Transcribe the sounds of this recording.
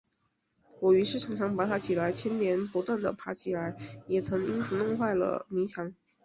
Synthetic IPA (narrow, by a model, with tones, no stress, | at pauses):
wɔ˨˩y˧˥ʂɻ̩˥˩ʈ͡ʂʰɑ˧˥ŋʈ͡ʂʰɑ˧˥ŋpa˧˥t̪ʰa˥t͡ɕʰi˨˩la˧˥ɪt͡ɕʰjɛ˥nnjɛ˧˥npu˧˥t̪wa˥˩nd̪ə˩pʰa˧˥t͡ɕʰi˨˩la˧˥ɪjɛ˨˩t͡sʰɤ˧˥ŋi˥nt͡sʰɹ̩˨˩nʊ˥˧ŋxwa˥˩ɪlə̰˩ni˧˥t͡ɕʰjɑ˧˥ŋ